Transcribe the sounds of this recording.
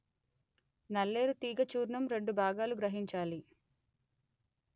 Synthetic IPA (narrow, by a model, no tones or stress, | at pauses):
nɐlːe̞ːɾut̪iːɡɐt͡ʃuːɾɳɐmɾe̞ɳɖubʱaːɡaːluɡɾɐɦiɲt͡ʃaːli